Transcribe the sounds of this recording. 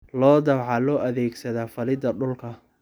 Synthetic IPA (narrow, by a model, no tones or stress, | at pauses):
lɔːd̪ɐwʕɑlɔːʔɐðɛːɡsɐðaːfɐlɪd̪ɐɖʊlkʰɐ